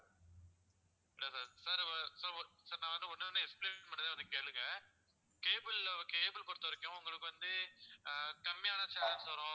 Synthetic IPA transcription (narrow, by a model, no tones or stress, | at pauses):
ɪɽɐsaːɾsaɾɐsɐɾsɐːɾnãːʋɐnd̪ɯɔnːɯnːɯɛkspleːnpɐɳɖɪðeːʋɐnd̪ɯkeːlɯŋɐ | keːbɯlkeːbɪlkɔɽt̪ːɐʋɐɾɪkːʊ̃ʊŋɡɐɭɯkːɯʋɐnd̪ɯ | kɐmɪjaːnɐt͡ʃaːlɐnsɐɾõː